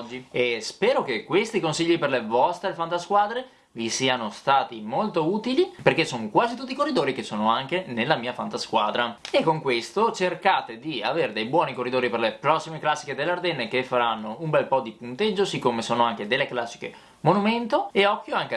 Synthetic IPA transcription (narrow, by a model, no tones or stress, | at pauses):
d͡ʒːiespɛːɾokekːwest̪ikonsiʎːiperlevɔst̪ɾefant̪askwaːd̪ɾe | visiːanost̪aːt̪imolt̪ouːt̪iliperkesoŋkwaːzit̪ut̪ːikorːid̪oːɾikesoːnoaŋkenelːamiːafant̪askwaːd̪ɾaekːoŋkwest̪ot͡ʃerkaːt̪ed̪iaveːɾed̪ejbwɔːnikorːid̪oːɾiperlepɾɔsːimeklasːi̥ked̪elːard̪ɛnːekefːaɾanːoumbɛlpɔd̪ipunt̪ed͡ʒːosikːomesoːnoaŋked̪elːeklasːi̥kḛ | monument̪oeɔkːjoaŋke